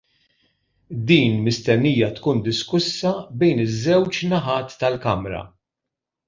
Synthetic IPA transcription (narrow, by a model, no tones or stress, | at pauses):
d̪iːnmɪst̪ɛnːiːjɐt̪kuːnd̪ɪskʊsːɐbɛjnɪzːɛwt͡ʃnɐħɐːt̪ːɐlkɐmɾɐ̰